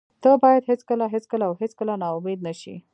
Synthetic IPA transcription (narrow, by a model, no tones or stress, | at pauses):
t̪əbɑjad̪ɦet͡skəlaɦet͡skəlaːwɦet͡skəlanɑʊmed̪̚naʃḭ